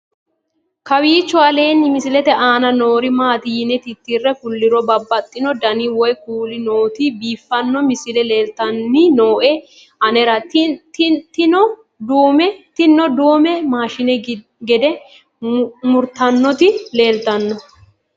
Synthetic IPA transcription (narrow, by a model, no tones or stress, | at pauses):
kɐwiːt͡ʃːɔɐle̞ːnːɪmɪsɪlɛt̪ɛaːnɐno̞ːɾɪmaːt̪ɪjɪnɛt̪ɪt̪ːirːɛkʊlːɪɾɔbɐbːɐt̪ʼːɪnɔd̪ɐnɪwɔjkuːlɪnoːt̪ɪbiːfːɐnːɔmɪsɪlɛleːlt̪ɐnːɪnoːʔɛ | ʔɐnɛɾɐt̪t̪t̪ɪnɔ | d̪uːmɛt̪ɪnːɔd̪oːmɛmaːʃɪnɛ | ɡɛd̪ɛ | mʊɾt̪ɐnːɔt̪ɪle̞ːlt̪ɐnːɔ